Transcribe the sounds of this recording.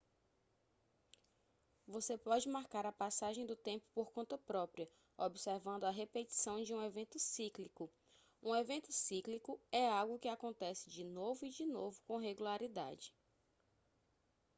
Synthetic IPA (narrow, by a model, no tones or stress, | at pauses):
vosepɔd͡ʒɪmaɾkaɾɐpasaʒẽj̃d̪ʊt̪ẽmpʊ̥poɾkõnt̪ɐpɾɔpɾiɐ | obiseɾvɐ̃nd̪ʊɐɦepet͡ʃi̥sɐ̃w̃d͡ʒɪũevẽnt̪ʊsiklikʊ | ũevẽnt̪ʊ̥siklikʊɛawɡʊkɪakõnt̪ɛsɪ̥d͡ʒɪnovʊid͡ʒinovʊkõɦeɡulaɾid̪a̰d͡ʒɪ